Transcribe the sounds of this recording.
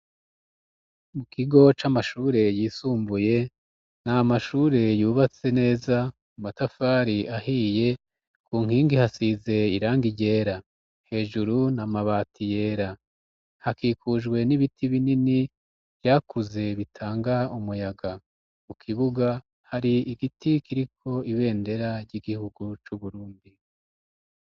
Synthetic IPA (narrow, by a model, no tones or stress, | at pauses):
mukiɡo̞t͡ʃamaʃuːɾe̞jiːsuːmbuje̞ | namaʃuːɾe̞juːβat͡se̞ne̞ːza | umatafaːɾiʔahije̞ | kʰuːŋ̥hiːŋɡihasize̞iɾaːŋɡiɟe̞ːɾa | he̞ːʒuɾunamaβatije̞ːɾa | hakiːkuʒɡwe̞niβitʰiβinini | βjaːkuze̞βitʰaːŋɡaumujaɡa | mukʰiβuɡa | haɾiiɡitikʰiɾikʰo̞iβe̞ːnde̞ɾaɾɟiɡihuɡut͡ʃuβuɾuːndi